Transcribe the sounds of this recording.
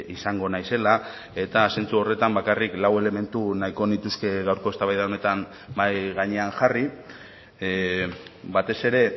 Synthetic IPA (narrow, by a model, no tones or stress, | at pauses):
isaŋɡo̞najse̞la | e̞t̪ase̞nt͡suo̞re̞t̪ambakariklawe̞le̞me̞nt̪unajko̞nit̪uske̞ɣawɾko̞est̪aβajðaone̞t̪an | bajɣaɲe̞aŋxari | bat̪e̞se̞ɾe̞